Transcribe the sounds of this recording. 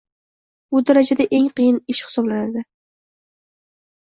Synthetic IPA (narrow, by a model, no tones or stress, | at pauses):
bʊd̪aɾad͡ʒad̪aʔe̞ŋqɨjɪnɪʃhɪ̥sɒblanad̪ɪ